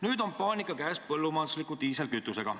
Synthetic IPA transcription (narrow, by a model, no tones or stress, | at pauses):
nyːd̪o̞npɑːnʲikːˑɑkæːspɤlːumɑːd̪uslikːˑut̪iːselkyt̪ːˑuse̞ɡ̥ɑ